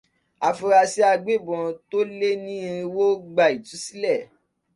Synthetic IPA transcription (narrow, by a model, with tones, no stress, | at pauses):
a˨fu˧ɾa˧si˦a˧ɡ͡be˦˨bɔ̃˨˧to˦le˦nĩ˦ĩ˧i˧wo˦ɡ͡ba˧˨i˨tu˨˦si˦lɛ˦˨